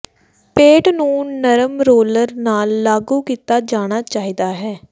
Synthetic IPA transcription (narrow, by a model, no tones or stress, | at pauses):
peːʈnũːnəɾəmɾoːləɾnaːlːaːɡuːkiːt̪aːd͡ʒaːɽ̃aːt͡ʃaːiːd̪aːɦɛː